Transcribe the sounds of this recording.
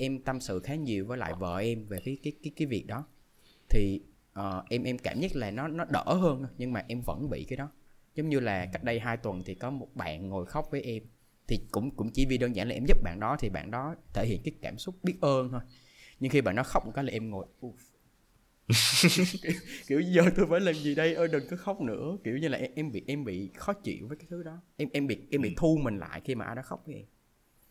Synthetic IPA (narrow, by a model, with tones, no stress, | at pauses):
ʔɛ˧mt̪a˧msɨ̰˧˨xaː˨˦ɲi˨˩əwvəː˨˦la̰ː˧˨jvə̰ː˧˨ʔɛ˧mve˨˩kiː˨˦jkaː˨˦jkaː˨˦jkaː˨˦jvi˨˩ək̚ɗɔ˨˦ | t̪ʰi˨˩ | ʔəː˨˩ʔɛ˧mʔɛ˧mkaː˧˩mɲə˦˥t̚laː˨˩nɔ˨˦nɔ˨˦ɗə̰ː˧˩ɦəː˧n˧ɲɨ˧ŋmaː˨˩ʔɛ˧mvə̰˧˥nɓḭ˧˨kaː˨˦jɗɔ˨˦zo˨˦ŋ͡mɲɨ˧laː˨˩ka˦˥jk̚ɗə˧jɦaː˧jt̪wə˨˩nt̪ʰi˨˩kɔ˨˦mo˨˩t̚ɓa̰ː˧˨nŋo˨˩jxə˦˥wk͡p̚vəː˨˦jʔɛ˧m | t̪ʰi˨˩kʊ̰˧˥ŋ͡mkʊ̰˧˥ŋ͡mt͡ɕi˧˩vi˧˨˩ɗəː˧nzaː˧˩nlaː˨˩ʔɛ˧mzɨ˦˥p̚ɓa̰ː˧˨nɗɔ˨˦t̪ʰi˨˩ɓa̰ː˧˨nɗɔ˨˦t̪ʰe˧˩hḭ˧˨ənkaː˨˦jkaː˧˩msʊ˦˥k͡p̚ɓi˦˥t̚ʔəː˧nt̪ʰo˧j | ɲɨ˧ŋxi˧ɓa̰ː˧˨nɗɔ˨˦xa˦˥wk͡p̚m̚˨˩ka˦˥laː˨ʔɛ˧mŋo˨˩jʔu˧˩ | ki˧˩wki˧˩əwɲ˧zəː˨˩t̪o˧jfaː˧˩jlaː˨˩mzi˨˩ɗə˧jʔəː˧ɗɨ˨˩ŋkɨ˨˦xə˦˥wk͡p̚nɨ̰˧˥əki˧˩əwɲɨ˧laː˨ʔɛ˧ʔɛ˧mɓḭ˧˨ʔɛ˧mɓḭ˧˨xɔ˨˦t͡ɕḭ˧˨əwvəː˨˦kaː˨˦jt̪ʰɨ˨˦ɗɔ˨˦ʔɛ˧mʔɛ˧mɓḭ˧˨ʔɛ˧mɓḭ˧˨t̪ʰu˧mï˨˩ŋ̟la̰ː˧˨jxi˧maː˨˩ʔaː˧ɗɔ˨˦xa˦˥k͡p̚vəː˨˦jʔɛ˧m